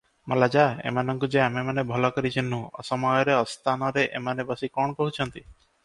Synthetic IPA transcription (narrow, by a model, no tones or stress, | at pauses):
mɔlad͡ʒaḛmanɔŋkud͡ʒeamemanebʱɔlɔkɔɾit͡ʃʰinːũɔ̰sɔmɔjɔɾeɔst̪ʰanɔɾeʔemanebɔsikɔɳ̃ɔkɔɦut͡ʃʰɔnt̪i